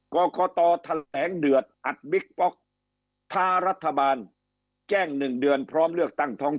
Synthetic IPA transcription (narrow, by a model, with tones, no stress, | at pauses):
kɔː˧kɔː˧t̪ɔː˧t̪ʰa˧lɛː˩˦ŋdɯ˨˩ət̪̚ʔa˨˩t̪̚bi˦˥k̚pɔ˦˥k̚ | t̪ʰaː˦˥ɾa˦˥t̪ʰːa˧baː˧n | kɛː˥˩ŋnɯ˨˩ŋdɯ˧ənpʰɾɔː˦˥mlɯ˥˩ək̚t̪a˥˩ŋt̪ʰɔː˦˥ŋ